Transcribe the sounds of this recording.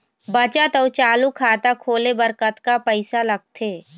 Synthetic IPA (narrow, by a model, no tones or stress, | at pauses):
bət͡ʃat̪ɐʊt͡ʃaːlukʰaːt̪akʰoːlebɐɾkət̪kapɛɪsalɐɡ̚t̪ʰeː